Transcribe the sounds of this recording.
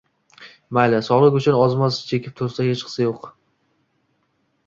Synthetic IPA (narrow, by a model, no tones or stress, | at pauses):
majlasɒlˠɨkʲʊt͡ʃʰʊnɒzmast͡ʃʰe̞kʲʰɪp̚t̪ʰost̪ahet͡ʃqʰɨ̥sajoq